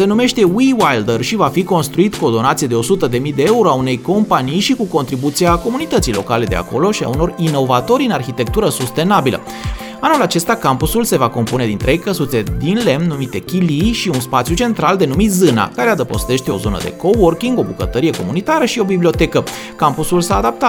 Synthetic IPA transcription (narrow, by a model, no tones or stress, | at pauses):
se̞nume̞ʃt̪e̞wiwajld̪ərʃivafiko̞nst̪ɾuit̪kuo̞d̪o̞nat̪sije̞d̪e̞o̞sut̪əd̪e̞mijd̪e̞e̞uɾo̞aune̞jko̞mpanijʃikuko̞nt̪ɾibut̪siako̞munit̪ət̪sijlo̞̰kale̞d̪e̞̰a̰ko̞̰lo̞ʃia̰uno̞rino̞vat̪o̞ɾʲɨnarçit̪e̞k̚t̪uɾəsust̪e̞nabilə̰ | anulat͡ʃe̞st̪akampusulse̞vako̞mpune̞d̪int̪ɾe̞jkəsut̪se̞d̪inle̞mnumit̪e̞kʲiliʃiunspat̪sjut͡ʃe̞nt̪ɾald̪e̞numit̪zɨna̰kaɾead̪əpo̞̰st̪e̞ʃt̪eo̞̰zo̞nə̰d̪e̞̰ko̞workiŋɡo̞bukət̪əɾije̞ko̞̰munit̪aɾəʃio̞biblio̞t̪e̞kə | kampusulsaːd̪ap̚t̪a